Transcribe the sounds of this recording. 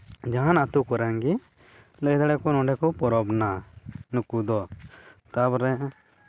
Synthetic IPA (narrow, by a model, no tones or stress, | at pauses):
d͡ʒaɦãnat̪ukɔɾaŋɡi | led̪aɽɛkɔnɔ̃ɳɖɛkɔpɔɾɔbnanukud̪ɔt̪abɾɛ